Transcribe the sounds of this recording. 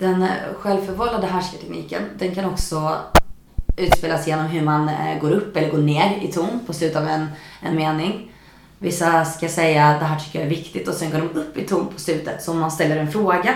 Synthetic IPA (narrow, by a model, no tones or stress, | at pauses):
d̪̥ɛnɧɛlvfœɾvɔlːad̪əɦæʂkət̪ʰɛknḭːkə̰nd̪ɛnkʰanɔksɔ | ʉ̟ːt̪speːlasjeːnɔmɦɵɾmanɡoːɾɵpːɛlːəɾɡoːɳeːɾɪt̪ʰuːnpʰɔslʉ̟t̪avɛnɛ̰nmeːnɪŋ | vɪsːaskajasɛjːat̪d̪ɛɦæːʈʰʏkːəɾjaæɾvɪkt̪ɪt̪ɔsɛnɡoːɖɔmɵpːɪt̪ʰuːnpʰɔslʉ̟ːt̪ət̪sɔɔmːanst̪ɛlːəɾɛnfɾoːɡa